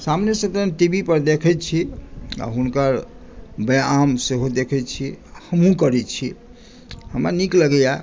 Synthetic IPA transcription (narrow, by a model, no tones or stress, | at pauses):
samnesət̪ənʈibipəɾd̪ekʰɛt͡ʃʰia̰ɦunkəɾ | beamseɦod̪ekʰɛt͡ʃʰihəmɦũkəɾɛt͡ʃʰi | həmɾa̰nikləɡəja